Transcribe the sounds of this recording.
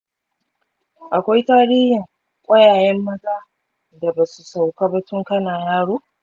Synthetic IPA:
ʔa˨kʷa˦jtaː˦ɽiː˦hɪ˨ŋ | kʷʼɐ˦jaː˨jɛ˦mːɐ˦taː˦ | da˨baː˨su˨sa˨wka˦bɐ˦tʊ˦ŋkɐ˦naː˨jaː˦ɽoː˦

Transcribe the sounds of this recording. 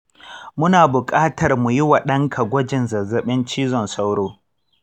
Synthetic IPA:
mʊ˦naː˨bʊ˨kʼaː˦tʰɐ˨rmu˨jɪ˦wa˨ɗɐ˦ŋkʰa˨ɡʷɔ˦d͡ʒɪ˨nzɐ˨zɐ˨ɓɪ˦nt͡ʃiː˦zɔ˨nsa˦wɽoː˦

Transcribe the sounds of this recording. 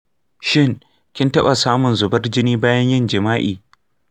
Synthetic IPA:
ʃɪ˦ŋ | kʲɪ˦ntɐ˦ɓa˨saː˦mʊ˨nzʊ˨bɐ˦rd͡ʒɪ˦niː˦baː˦jɐ˦ɲjɪ˦˨nd͡ʒɪ˨maː˦ʔḭː˨

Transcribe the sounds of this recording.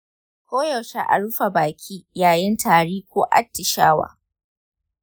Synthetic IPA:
kʷoː˦jɐ˨ʃa˨ʔa̰˨ɽʊ˦ɸa˨baː˨kʲʰiː˦jaː˨jɪ˦ntʰaː˨ɽiː˦kʷoː˦ʔa̰˦tːɪ˨ʃaː˦wa̰ː˨

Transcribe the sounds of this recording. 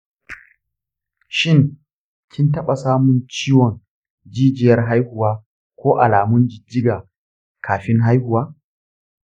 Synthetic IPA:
ʃɪ˦ŋ | kʲʰɪ˦ntɐ˦ɓa˨saː˦mʊ˨nt͡ʃiː˦wɔ˨n | d͡ʒiː˦d͡ʒɪ˨jɐ˦rɦa˦jhʊ˨waː˦ | kʷoː˦ʔa˨laː˨mʊ˦nd͡ʒɪ˨d͡ʒːɪ˦ɡaː˨ | kʰaː˨ɸɪ˦ŋɦa˦jhʊ˨waː˦

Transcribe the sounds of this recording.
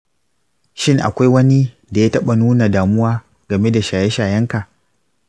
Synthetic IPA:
ʃɪ˦˨ŋʔa̰˨kʷa˦jwɐ˦ni˦ | da˨jaː˦tɐ˦ɓa˨nuː˦na˨daː˨mʊ˦waː˦ | ɡɐ˨me˦da˨ʃaː˨jɛ˦ʃaː˨jɐ˦ŋka˨ʔ

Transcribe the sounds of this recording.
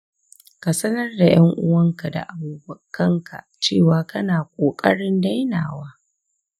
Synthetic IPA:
ka˨sɐ˦nɐ˦rda˨j̰ɐ˦ŋʔʊ˦wɐ˦ŋka˨da̰˨ʔa˨buː˨bɐ˦˨kːɐ˦ŋkʰa̰˨t͡ʃeː˦˨waː˨kɐ˦naː˨kʷʼoː˨kʼɐ˦ɽɪ˦nda˦jna̰ː˨waː˦

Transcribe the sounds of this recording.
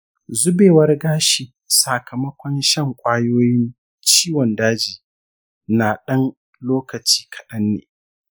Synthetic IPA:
zʊ˦beː˨wɐ˦rɡaː˦ʃi˨ | saː˨kʰɐ˨mɐ˦kʷɔ˦nʃɐ˦˨ŋkʷʼaː˦joː˦jɪ˦n | t͡ʃiː˦wɔ˨ndaː˦d͡ʒiː˨ | naː˨ɗɐ˦n | loː˦kɐ˨t͡ʃi̥ː˦kʰɐ̥˨ɗɐ˦nːḛː˨

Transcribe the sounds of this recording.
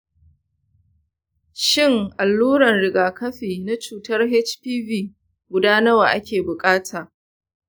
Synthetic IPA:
ʃɪ˦˨ŋʔa˨lːuː˦ɾɐ˨nɽɪ˨ɡaː˨kɐ˦ɸiː˨na˦t͡ʃuː˨tɐ˦rɦɛ˦t͡ʃpiː˦viː˦ | ɡʷʊ˦daː˦nɐ˦waː˨ʔa˦kʲeː˨bʊ˨kʼaː˦tʰaː˨

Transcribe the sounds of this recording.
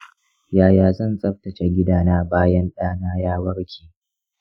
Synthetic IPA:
jaː˨jaː˨zɐ˦˨nsʼɐ˦ɸ̚tɐ˨t͡ʃe˨ɡʲɪ˦daː˦naː˦baː˦jɐ˦nɗaː˦naː˦jaː˦wɐ˦ɽkʲʰiː˨

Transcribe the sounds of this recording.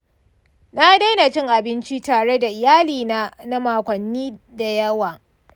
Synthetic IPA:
na˦da˦na˨t͡ʃɪ˦ŋʔa˨bɪ˦nt͡ʃi˦taː˨ɽe˦da˨ʔɪ˨jaː˦liː˨na˦na˦maː˨kʷɐ˨nːiː˦da˨jɐ˦waː˨

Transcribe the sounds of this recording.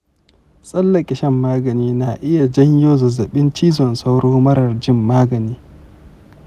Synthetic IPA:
sʼɐ˦lːɐ˨kʲʼɪ˨ʃɐ˦mːaː˦ɡɐ˨niː˦na˨ʔɪ˦ja˨d͡ʒɐ˦ɲjoː˦zɐ˨zɐ˨ɓɪ˦nt͡ʃiː˦zɔ˨nsa˦wɽoː˦mɐ˦ɾɐ˨rd͡ʒɪ˦˨mːaː˦ɡɐ˨niː˦

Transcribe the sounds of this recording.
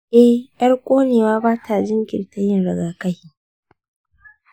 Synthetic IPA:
ʔɛ˦hʔɐ˦ɽkʷʼoː˦neː˨waː˦baː˦tʰa˨d͡ʒɪ˦ŋɡʲɪ̰˨nta˦jɪ˦nɽɐ˨ɡaː˨kɐ˦hiː˦

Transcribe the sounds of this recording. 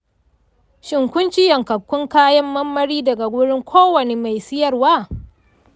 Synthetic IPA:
ʃɪ˨ŋkʷʊ˦nt͡ʃɪ˦jɐ˨ŋkɐ˨kʷːʊ˦ŋkaː˦jɐ˦mːɐ˦mːɐ˦ɽiː˦dɐ˨ɡa˨ɡʷʊ˦ɽɪ˦ŋkʷʰoː˦wɐ˨ne˨ma˨jsɪ˦jɐ˦rwaː˦˨

